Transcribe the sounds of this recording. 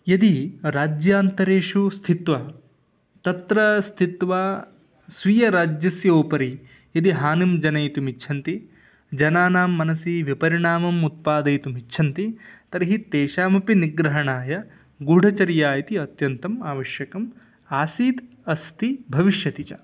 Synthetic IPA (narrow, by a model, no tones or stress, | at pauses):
jɐd̪iɾaːd͡ʒjaːnt̪ɐɾeːʂust̪ʰit̪ʋɐ | t̪ɐt̪ɾɐst̪ʰit̪ʋaː | sʋijɐɾaːd͡ʒjɐsjɐoːpɐɾi | jɐd̪iɦaːnimd͡ʒɐnɐjt̪umit͡ʃʰɐnt̪i | d͡ʒɐnaːnaːmːɐnɐsiʋipɐɾiɳaːmɐmut̪̚paːd̪ɐjt̪umiʃʰɐnt̪it̪ɐɾiɦit̪eːʃaːmɐpiniɡɾɐɦɐɳaːjɐ | ɡuɖʱɐt͡ʃɐɾjaːjit̪iɐt̪jɐnt̪ɐmaːʋɐʃjɐkɐm | aːsiːd̪ | ɐst̪ʰibʱɐʋiʃjɐt̪it͡ʃɐ̰